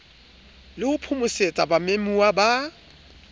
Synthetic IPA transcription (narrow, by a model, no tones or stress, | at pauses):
lɪʊpʰʊmʊset͡sʼabamemuwaba